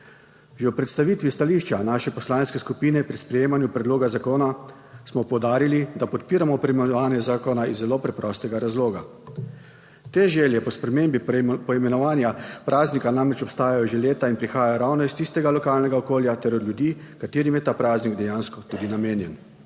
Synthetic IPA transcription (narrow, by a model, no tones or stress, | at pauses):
ʒɛwpɾɛt̪st̪aʋit̪ʋist̪aliːʃt͡ʃanaːʃɛpɔslaːnskɛskupiːnɛpɾispɾɛjeːmanjupɾɛd̪loːɡazakoːna | smɔpɔwd̪aːɾilid̪apɔt̪piːɾamɔpɾɛimɛnʋaːnjɛzaːkɔnaizzːɛloːpɾɛpɾɔst̪ɛɡaɾazloːɡa | t̪eʒɛːljɛpɔspɾɛmeːmbipɔimɛnɔʋaːnjapɾʔaːznikanamɾɛt͡ʃɔpst̪aːjajɔʒɛleːt̪ainpɾixaːjajɔɾawnɔist̪ist̪ɛɡalɔkaːlnɛɡaɔkoːljat̪ɛɾɔd̪ljud̪iːkat̪eːɾimjɛt̪aːpɾaːzniɡd̪ɛjaːnskɔt̪uːd̪inameːnjɛn